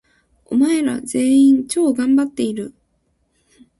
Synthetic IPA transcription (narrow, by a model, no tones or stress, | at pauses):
o̞̰mae̞ɾa̰ze̞ːĩɲt͡ɕo̞ːɡãmbat̪ːe̞iɾɯ̟